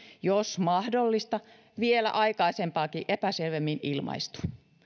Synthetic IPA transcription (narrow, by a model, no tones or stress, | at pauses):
josmɑhdolːist̪ɑ | ʋielæ̰ʔɑikɑisempɑːkiʔepæselʋemːinilmɑ̰ist̪u̥